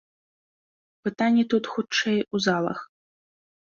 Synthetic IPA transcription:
pɨt̪anʲːit̪ut̪xut͡ʂɛjuzalˠɐ̰x

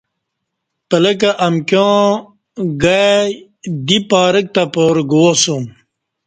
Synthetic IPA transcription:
pɐlɐk̬aʔɐmkjõː | ɡa | d̪ipaːɾək̚t̪apoɾɡoosũm

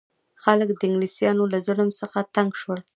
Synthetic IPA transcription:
xaləkd̪əɪŋɡlisjɑnolazʊlmsəxat̪aŋɡʃwəɽ

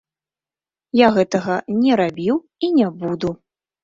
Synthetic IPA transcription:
jaɣɛt̪ɐɣɐnʲɛɾabʲiw | inʲabud̪u

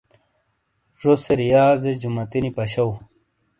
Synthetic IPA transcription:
ʐoseɾijaːzed͡ʑumɐt̪inipɐɕɐw

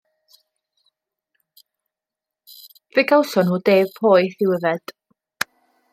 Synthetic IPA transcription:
vɪɡawsɔnhuːdeːvpʰoːɨθɪwəvɛd̥

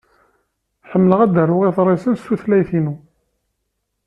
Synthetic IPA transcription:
ħəmːləʁæd̪ərˤːʊʁiθɾˤesənstːuθlæjθinu

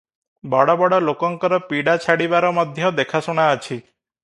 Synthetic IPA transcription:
bɔɽɔbɔɽɔlokɔŋkɔɾɔpiɽat͡ʃʰaɽibaɾɔmɔd̪ʱjɔd̪ekʰasuɽ̃aət͡ʃʰi

